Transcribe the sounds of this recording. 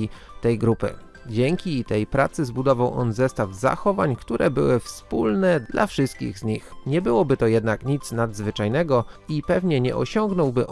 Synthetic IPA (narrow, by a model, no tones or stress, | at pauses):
it̪ɛjɡɾupɘ̰ | d͡ʑɛŋkʲit̪ɛjpɾat̪sɘzbud̪ɔvawʔɔ̰nzɛst̪avza̰xɔvaɲkt̪uɾʔɛbɘwɘfspulnɛd̪lʔa̰fʂɘst̪̚kʲḭɣzɲixɲɛbɘwɔbɘt̪ɔjɛd̪nakɲit̪snad̪zvɘt͡ʂajnɛɡɔipɛvɲɛɲɛ̰ʔɔ̰ɕɔŋɡnɔwbɘʔ